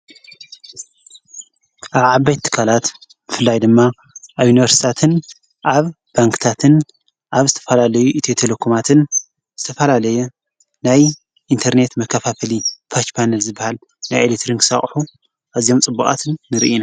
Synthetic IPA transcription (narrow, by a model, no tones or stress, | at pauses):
ʔaβʕabajt̪ʰːɨ̥kʰːalat̪ | bɨfɨlːajd̪ɨmːa | ʔaβjuniβɐɾsi̥t̪ʰat̪ʰɨn | ʔaβ | b̥aŋkt̪ʰat̪ʰɨn | ʔaβzɨt̪ʰɐ̥fɐlalɐjuʔit̪ʰet̪ʰelekʰomat̪ʰɨn | z̥ɨt̪ʰɐfɐlalɐju | naj | ʔint̪ʰɐɾne̞t̪mɐkʰːɐfafɐlipʰat͡ʃpʰanɐlzɨbːahal | najelet̪ɾiŋkʰɨsa̰χʼħu | ʔazio̞mt͡sʼɨbːukʼa̰t̪ʰɨnːɨɾ̰ʔina